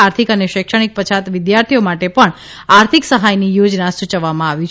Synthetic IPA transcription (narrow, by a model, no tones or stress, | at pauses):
aɾt̪ʰikəneʃekʂəɽ̃ik̚pət͡ʃʰat̪ʋɪd̪jaɾt̪ʰiomaʈepəɳ | aɾt̪ʰiksəɦajnijod͡ʒnasut͡ʃəʋːamãaʋit͡ʃ